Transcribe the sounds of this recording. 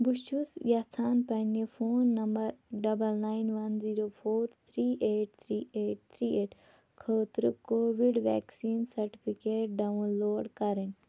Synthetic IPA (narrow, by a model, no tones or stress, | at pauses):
buʃt͡ʃusjat͡sʰaːnpɐnifʰoːnːɐmbɐɾɖɐbɐlnaːinʋɐnziːɾoːpʰoːɾt̪ʰɾiːʔeːʈ̚t̪ʰɾiːeːʈ̚t̪ʰɾiːeːʈ | kʰəːt̪ɾɨkoːʋiɖʋɛ̰ːksiːnsɐɾʈi̥pʰikeːʈ̚ɖawnloːɖkɐɾin